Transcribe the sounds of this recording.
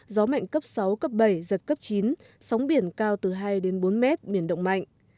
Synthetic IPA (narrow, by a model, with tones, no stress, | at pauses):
zɔ˨˦ma̰˧˨jŋkə˦˥p̚sa˨˦wkə˦˥p̚ɓə˧˩jzə˨˩t̚kə˦˥p̚t͡ɕi˨˦n | sa˨˦wŋ͡mɓi˧˩ənkaː˧wt̪ɨ˨˩ɦaː˧jɗe˨˦nɓo˨˦nmɛ˦˥t̚ɓi˧˩ənɗə̰˧˨ŋ͡mma̰˧˨jŋ